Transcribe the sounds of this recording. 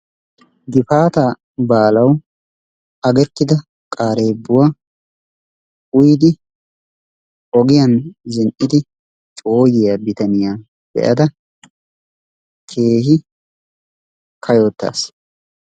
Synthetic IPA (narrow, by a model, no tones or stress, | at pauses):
ɡɪfaːt̪aː | baːlɐw | ɐɡɛt̪ːɪd̪ɐ | kʼaːɾe̞ːbːʊwa | ʊjd̪ɪ | ɔɡɪjɐnzɪnʔɪd̪ɪ | t͡ʃʼoːjɪjabɪt̪ɐnɪjaː | b̥ɛ̰ʔɐd̪ɐ | kʰe̞ːhɪ | kʰɐjoːt̪ːa̰ːs